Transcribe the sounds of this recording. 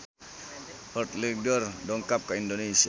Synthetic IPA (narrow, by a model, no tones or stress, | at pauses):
hɔʈlek̚dɔɾdɔŋkap̚kaindonesia